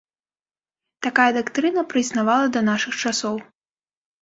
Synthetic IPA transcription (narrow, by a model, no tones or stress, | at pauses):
t̪akajɐd̪akt̪ɾɨnɐpɾɨznavalˠɐd̪ɐnaʂɨxt͡ʂasɔw